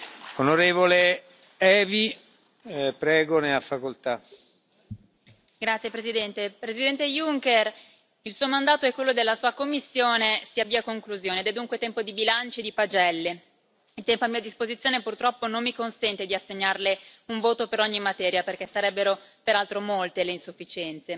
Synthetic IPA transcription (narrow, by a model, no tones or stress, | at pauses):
onoɾeːvole | ɛːvi | pɾɛːɡoneafːakolt̪a | ɡɾat̪sjepɾezid̪ɛnt̪epɾezid̪ɛnt̪ejuŋker | ilsuːomand̪aːt̪oɛkːwelːod̪elːasuːakomːisːjoːnesiabːiːakoŋkluzjoːned̪ɛd̪uŋkwet̪ɛmpod̪ibilant͡ʃed̪ipad͡ʒɛlːe | it̪ɛmpoamːiːad̪ispozit̪sːjoːnepurt̪ɾɔpːonomːikonsɛnt̪ed̪iasːeɲːarleuɱvoːt̪opeɾɔɲːimːat̪ɛːɾjaperk̟esːaɾɛbːeɾopeɾalt̪ɾomolt̪eleinsufːit͡ʃɛnt̪se